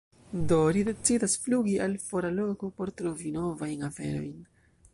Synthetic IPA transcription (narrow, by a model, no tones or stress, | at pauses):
dolide̞t͡sidasfluɡiʔalfo̞ɾalo̞ko̞po̞ɾtɾo̞vino̞vajnafe̞̰ɾo̞̰jn